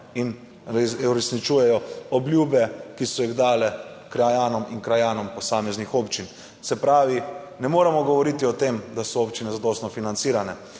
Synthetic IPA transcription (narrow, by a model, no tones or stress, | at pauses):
in | uɾɛsnit͡ʃuːjɛjɔɔblʲjuːbɛkisɔjiɣd̪aːlɛ | kɾajaːnɔminkɾajaːnɔmpɔsaːmɛznixoːpt͡ʃin | sɛpɾaːʋi | nɛmoːɾɛmɔɡɔʋɔɾiːt̪iɔt̪emd̪asɔoːpt͡ʃinɛzad̪oːst̪nɔfinant̪siːɾanɛ